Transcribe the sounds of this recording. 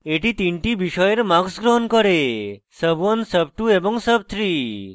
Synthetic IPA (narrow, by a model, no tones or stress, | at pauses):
eʈit̪iɳʈibiʃɔjeɾmaɡsɡɾɔɦɔnkɔɾe | səbuɔnsəb̚ʈuebɔŋsəb̚t̪ʰɾi